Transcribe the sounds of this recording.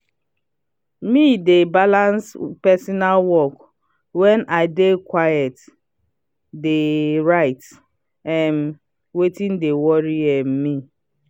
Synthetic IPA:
midebalanspɛsɔnalwɔk | wɛnʔaɪdekwajɛt | deɾaɪt | ɛm̩ | wetĩn̩dewɔɾiɛm̩mi

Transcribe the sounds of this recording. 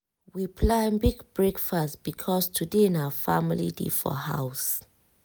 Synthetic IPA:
wipʰlãnbiɡbɹekfastb̥ikʰɔstʰudeɛ̃nawəfa̰milḭdḛfɔ̰ha̰ws

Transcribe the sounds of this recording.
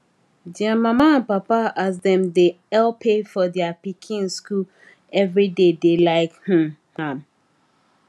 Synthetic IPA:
d͡ʒɛ̃mãmãnpapaʔas̬d̪ɛ̃md̪e | ɛlpʰefɔd̪iapikʰĩnskul | ɛvɹidedelaɪkhũhãm

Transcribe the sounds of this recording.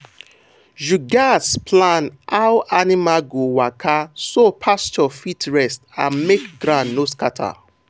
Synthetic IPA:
ʒuɡaspʰlãnaʊʔanimaɡowakʰasopʰast͡ʃɔfitɹɛstã̰nmekɡɾãnːoskatʰa̰

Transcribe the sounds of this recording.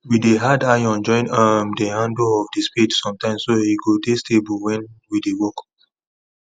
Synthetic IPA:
wideɦadajɔ̃nd͡ʒɔ̃ɪ̃namdehãndoɔvdispidsɔ̃mtãɪ̃msːohiɡodestebəlwɛ̃nwidewɔk

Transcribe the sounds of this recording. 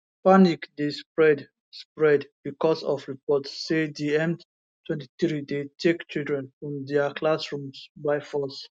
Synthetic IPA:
panikdespɹɛd | spɹɛdbikɔsɔfɹipɔtsːediɛ̃nd | tʰwɛ̃nti̥θɹidetʰekt͡ʃildɹɛ̃nfɹɔ̃mdɛəkʰlasɹũmsbaɪfɔs

